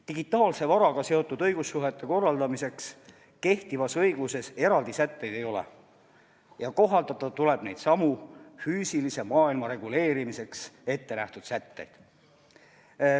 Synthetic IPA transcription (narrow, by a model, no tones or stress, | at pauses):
t̪iɡit̪ˑːɑːlse̞vɑɾɑɡ̥ɑse̞o̞t̪ːˑud̪ɤjɡ̥usːuɦe̞t̪ːe̞ko̞rːɑld̪̥ɑmise̞ks | ke̞ht̪ivɑsɤjɡ̥use̞se̞ɾɑld̪isæt̪ːe̞jd̪̥e̞jo̞lḛ | jɑko̞ɦɑld̪ɑt̪ːˑɑt̪ule̞b̥ne̞jd̪sɑmufyːsilise̞mɑːilmɑɾe̞ɡ̥ule̞ːɾimise̞kse̞t̪ːe̞næht̪ud̪̥sæt̪ːe̞̰jd̪̥